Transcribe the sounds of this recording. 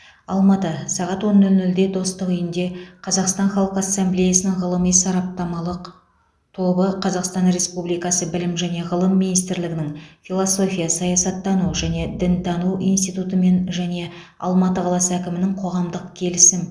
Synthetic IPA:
ɑlˠmɑt̪əsɑʁɑt̪wo̞nːʏlʏld̪e̞d̪o̞st̪əqʏjɪnd̪e̞qʰɑzɑqst̪ɑnχɑlˠqəɑsːemblejasənɪŋʁəlˠəmijsɑɾɑp̚t̪ɑmɑlˠəq | t̪ʰo̞bəqʰɑzɑqst̪ɑnre̞spublijkɑsəbɪlɪmʒæne̞ʁəlˠəmːinijst̪ɪɾlɪɡʲɪnɪŋfʲilˠoso̞fʲijɑsɑjɑsɑt̪ːɑnuʒæne̞d̪ɪnt̪ʰɑnuwijnst̪ijt̪ut̪əme̞nʒæne̞ | ɑ̰lˠmɑt̪əqʰɑlˠɑsəækʲɪmɪnɪŋqʰo̞ʁɑmd̪əqkʲʰe̞lɪsɪm

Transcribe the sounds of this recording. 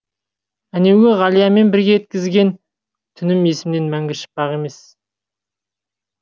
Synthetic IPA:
æne̞wʲɪʁɑlʲˠijɑme̞nbɪɾɡʲe̞et̪̚kʲɪzɡʲe̞n | t̪ʰʏnɪme̞sɪmne̞nmæŋɡʲɪʃɪ̥p̚bɑʁe̞me̞s

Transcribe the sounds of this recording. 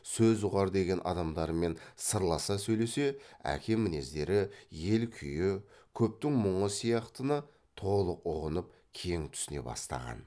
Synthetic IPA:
sɵzʒʊʁɑɾd̪e̞ɡʲe̞nʔɑ̰d̪ɑmd̪ɑɾme̞nsəɾlˠɑsɑsɵjle̞se̞æ̰kʲʰe̞mːɪne̞zd̪e̞ɾɪje̞lkʲʰʏjɪkʲʰɵp̚t̪ɪŋməɴəsijɑqt̪ənə | t̪ʰo̞lˠəqʊʁənəp̚ | kʲʰe̞ŋt̪ʰʏ̥sɪne̞̰bɑ̰st̪ɑ̰ʁɑ̰n

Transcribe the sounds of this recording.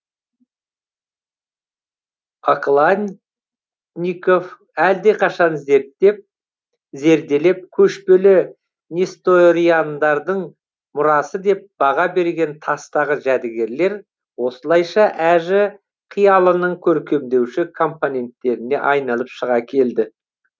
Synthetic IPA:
aqlˠanʲ | nʲiko̞f | æld̪e̞qʰɑʃɑnze̞ɾt̪ːe̞p̚ | ze̞ɾd̪e̞le̞p̚kʲʰɵʃpelɪ | nʲist̪oɾijand̪ɑɾd̪əɴ | mʊɾɑsəd̪e̞p̚b̥ɑʁɑbe̞ɾɡʲe̞nt̪ʰɑst̪ɑʁəʒæd̪ɪɡʲe̞ɾle̞ɾ | wo̞səlˠɑjʃɑʔæʒɪ | qʰijɑlˠənəɴkʲʰɵɾkʲe̞md̪e̞wʃɪkʰo̞mponʲe̞nt̪ːe̞ɾɪne̞ʔɑjnɑlˠəpʃəʁɑkʲʰe̞ld̪ɪ

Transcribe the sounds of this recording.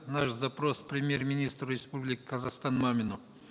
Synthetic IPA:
naʃzapɾo̞spɾʲɪmʲjermʲɪnʲist̪rʊɾʲɪspublʲɪkʲɪ̥kʰɐzaχst̪anmamʲɪnu

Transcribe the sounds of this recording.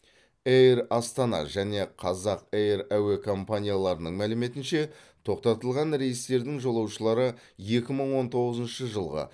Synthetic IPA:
ejɾɑst̪ɑnɑ̰ʒæne̞qʰɑzɑqejɾæwekʰo̞mpanʲijalˠɑɾənəɴmælɪme̞t̪ɪnʃe̞ | t̪ʰo̞qt̪ɑt̪əlˠʁɑnɾe̞jəst̪e̞ɾd̪ɪŋʒo̞lˠɑwʃəlˠɑɾə | je̞kʲɪməɴwo̞nt̪ʰo̞ʁəzənʃəʒəlˠʁə̰

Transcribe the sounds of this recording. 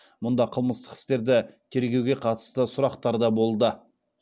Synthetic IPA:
mʊnd̪ɑqʰəlˠməst̪ə̥qɪ̥st̪e̞ɾd̪ɪt̪ʲʰe̞ɾɡʲe̞wɡʲe̞qʰɑt̪ə̥st̪əsʊɾɑqt̪ɑɾd̪ɑbo̞lˠd̪ə

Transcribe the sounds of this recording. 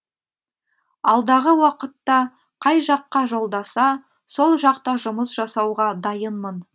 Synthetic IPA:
ɑlˠd̪ɑʁəwɑqət̪ːɑ | qʰɑjʒɑqːɑʒo̞lˠd̪ɑsɑ | so̞lˠʒɑqt̪ɑʒʊməsʒɑsɑwʁɑd̪ɑjənmən

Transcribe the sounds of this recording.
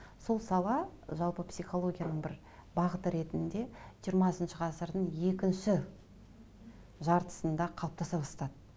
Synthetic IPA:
so̞lˠsɑlˠɑʒɑlˠpəpsijχo̞lˠo̞ɡʲijanəɴbɪɾ | bɑʁət̪əɾe̞t̪ɪnd̪e̞ʒijəɾmɑsənʃəʁʰɑsəɾd̪əɴje̞kʲɪnʃɪ | ʒɑɾt̪ə̥sənd̪ɑqʰɑlˠəp̚t̪ɑsɑpɑst̪ɑd̪ə

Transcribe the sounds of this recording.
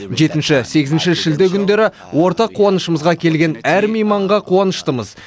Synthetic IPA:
ʒe̞t̪ɪnʃɪse̞ɡʲɪzɪnʃɪʒɪld̪ɪkʲʰʏnd̪e̞ɾɪ | wo̞ɾt̪ɑqʰːuɑnəʃəməzʁɑkʲʰe̞lɡʲe̞næɾmijmɑɴʁɑqʰuɑnəʃt̪əməz

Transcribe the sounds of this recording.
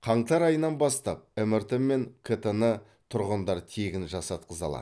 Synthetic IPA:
qʰɑɴt̪ɑɾɑjənɑnbɑst̪ɑp̚ɵmɪɾt̪ɪmːe̞ŋkʲʰet̪ənə | t̪ʰʊɾʁənd̪ɑɾt̪ʰeɡʲɪnʒɑsɑt̪̚qʰəzɑ̰lˠɑ̰

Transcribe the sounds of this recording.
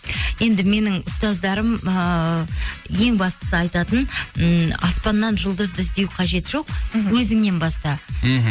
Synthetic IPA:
je̞nd̪ɪme̞nɪŋʊst̪ɑzd̪ɑɾəm | je̞ŋbɑst̪ə̥səɑjt̪ɑt̪ən | ɑspɑnːɑnʒʊlˠd̪əzd̪ʏzd̪e̞wqʰɑʒe̞t̪ʒ̥o̞q̚wɵzɪmne̞nbɑst̪ɑ

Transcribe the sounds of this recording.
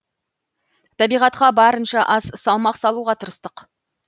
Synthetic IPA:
t̪ʰɑbijʁɑt̪qɑbɑɾənʃɑʔɑzsɑlˠmɑqsɑlˠuʁɑt̪ʰəɾəst̪əq

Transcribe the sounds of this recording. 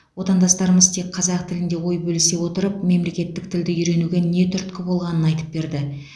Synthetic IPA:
wo̞t̪ɑnd̪ɑst̪ɑɾəməzt̪ʰek̚qʰɑzɑq̚t̪ʰɪlɪnd̪e̞wo̞jbɵlɪse̞wo̞t̪əɾəp̚me̞mle̞kʲe̞t̪ːɪk̚t̪ʰɪld̪ɪʏjɾe̞nuɡʲe̞ne̞t̪ʰʏɾt̪kʲɪbo̞lˠʁɑnənɑjt̪ə̥p̚be̞ɾd̪ɪ

